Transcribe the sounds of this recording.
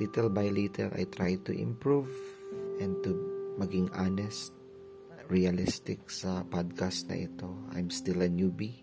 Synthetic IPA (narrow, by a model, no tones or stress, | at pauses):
lit̪ɛlbajlit̪ʰɛlʔa̰jt̪ɾajt̪ʊʔɪ̰̃mpɹuvʔɛ̃n̚t̪ʊmɐɡɪŋʔanɛst̪̚ | ɹɛɐlɪst̪ɪk̚sɐpad̪̚kast̪nɐ̰ʔɪ̰t̪o̞ʔa̰jmst̪ɪlɐnjubi